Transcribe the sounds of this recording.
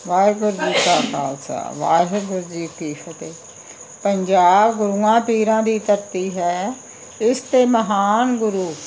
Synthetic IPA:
ʋaːɡʊɾd͡ʒiːkaːka̰ːlsʰa̰ʋa̰ːɦɡʊɾd͡ʒiːkiːʃət̪eː | pəɲd͡ʒaːbɡʊɾuːãːpiːɾãːd̪iːt̪əɾt̪iːɦɛː | ɪst̪eːməɦaːnɡʊɾuː

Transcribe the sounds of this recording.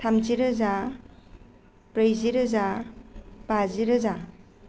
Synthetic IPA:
tʰamd͡ʒiɾɯza | pɾɯjziɾɯza | b̥aziɾɯza

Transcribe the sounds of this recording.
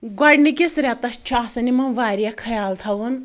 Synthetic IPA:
ɡɔɽnikesɾʲat̪ɐt͡ʃʰasɐnimɐʋaɾijakʰɐjaːlt̪ʰɐwun

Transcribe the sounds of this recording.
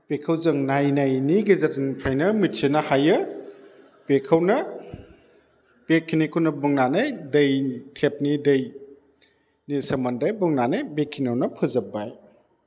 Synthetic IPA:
pekʰɐwzɯŋnajnajniɡezatʰinpʰajnɐmitsenɐhajɯ | pekʰɐwnɐ | b̥ekʰːinikʰunɐbɯŋnanejdɐjkʰep̚nidɐj | nisɐmɐndajbɔŋnanebekʰːinawnɐpʰɯzɐbaj

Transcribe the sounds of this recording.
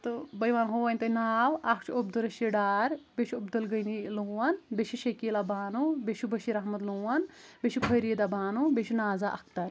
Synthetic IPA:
t̪ɨbɐjʋaːnɦoːʋɐnʲt̪ɐnaːwakʰt͡ʃʰobd̪ɐɾɐʃiɖaːɾbeʃuubd̪ɐlɡəjniluːɐnbeʃiʃekiːlabaːnubeʃubɐʃiɾɐɦmɐt̪luːɐnbʲeʃipʰɐjɾiːd̪abaːnubeʃʰinaːzaʔɐ̰k̚ʰt̪ɐɾ

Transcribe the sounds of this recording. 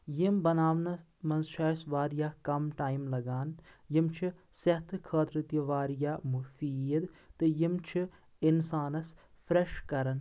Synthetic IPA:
jimbɐnaːʋnɐ | mɐnzʃaːjsʋaːɾjaːkɐmʈaːjmlɐɡaːnjimt͡ʃʰi | sɐht̪ʰkʰɐːt̪ɾɪt̪jɐʋaːɾjaːmufiːjd̪t̪ɨjimt͡ʃʰi | insaːnɐs | fʰɾeʃkɐɾɐn

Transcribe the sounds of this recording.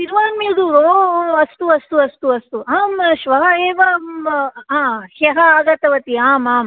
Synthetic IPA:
t̪iɾʋaːnmid̪uoɐst̪uɐst̪uɐst̪uɐst̪uɐɐmʃʋɐɦɐeːʋɐ | ãːheɦɐaːɡɐt̪ɐʋɐt̪iaːmaːm

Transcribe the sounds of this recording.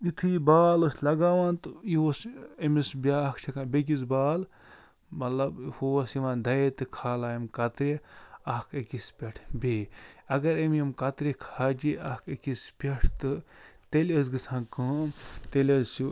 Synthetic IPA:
it̪ʰɨbaːloslɐɡaːʋãːnt̪ɨiosɐmisbʲaːkʰt͡ʃʰɐkãːbʲek̬izbaːl | mɐt̪lɐbhosiʋãːnd̪ɐt̪ɨkʰaːlaːimkɐt̪ɾeɐkʰekispʲɐʈʰbʲeːɐɡɐɾɐmemkɐt̪ɾekʰaːd͡ʒiɐkʰekispʲɐʈʰt̪ɨt̪elɐzɡɨsʰãːnkə̃ːmt̪elʲɐzsu

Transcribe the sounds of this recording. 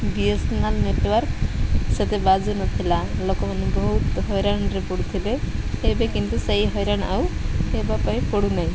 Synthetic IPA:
biesnalneʈwɔɾkset̪ebad͡ʒunɔt̪ʰilalokɔmanebɔɦut̪ɦɔjɾañɾepɔɽut̪ʰileːbekint̪useiɦɔjɾañawebapaĩpɔɽunaĩ

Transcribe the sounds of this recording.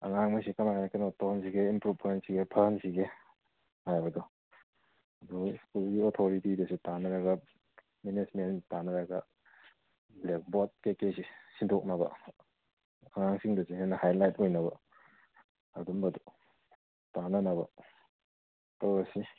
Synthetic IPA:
ɐ̰ŋaŋmɐsikɐmajnakanotonsiɡeinpɾupensiɡepʰɐnsiɡe | hajbɐdɔ | ɐduskulɡiotʰoɾitidɐsitanɐɾɐɡɐ | menismentanɐɾaɡɐ | blek̚bot̚kekesisindʰok̚nabɐ̰ | ɐŋaŋsiŋdɐsianɐhajlajt̚ojnɐbɐ̰ | ɐdumbɐdu | tanɐnɐbɐ̰ | tɐwɾɐsi

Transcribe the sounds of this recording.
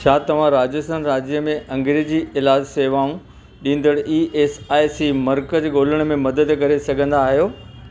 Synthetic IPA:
t͡ɕʰaːt̪ɐʋ̤ãɾaːd͡ʑəsənɾaːd͡ʑijəmẽʔɐ̃ŋɡɾed͡ʑiɪlaːd͡ʑseːʋaːũ | ɗĩːn̆d̪əɽiːʔeːsaːisimɐɾkəd͡ʑɡoːləɽ̃̆mẽmɐd̪əd̪kɐɾesɐɡʱə̃nd̪aːɦijoː

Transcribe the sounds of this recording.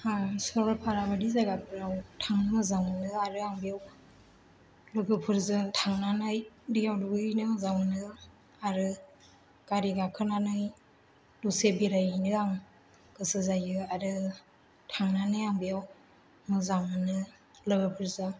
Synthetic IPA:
hasɔɾɔpʰaɾabadizajɡapʰɯɾawtʰaŋnmɯzaŋɯnɯaɾɯaŋbijaw | lɯɡɯpʰɯɾzɯtʰaŋnanajdijawduɡɯnɯzaŋɯnɯ | aɾɯ | kaɾiɡakʰɯnanɯj | dusebiɾajnɯaŋ | ɡ̥ɯsɯzajɯaɾɯ | tʰaŋnanajaŋbijaw | mɯzaŋɯnɯ | lɯɡɯpʰɯɾzɯ

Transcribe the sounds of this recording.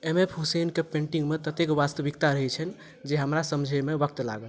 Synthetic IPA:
emepɦusenkepẽɳʈiŋɡmet̪ət̪ekʋast̪əbʱikt̪aɾəɦɛt͡ʃʰən | d͡ʒeɦəmɾasəmd͡ʒʱəmebək̚t̪la̰ɡəl

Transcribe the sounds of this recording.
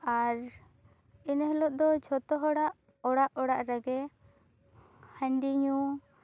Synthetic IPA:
aɾ | inɦəlɔʔ̚d̪ɔd͡ʒʱɔt̪ɔɦɔɽaʔ | ɔɽaʔɔɽaʔɾəɡɛ | həɳɖiɲu

